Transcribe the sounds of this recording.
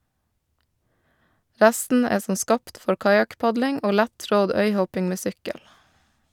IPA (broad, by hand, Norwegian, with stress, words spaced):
ˈɾæstn̩ ˈeː ˈsɔm ˈskɑːpt ˈfɔɾ ˈkɑjɑkˌpɑdlɪŋ ˈoː ˈlætˌtɾɔd ˈœʏˌhɔpɪŋ ˈmeː ˈsʏkəl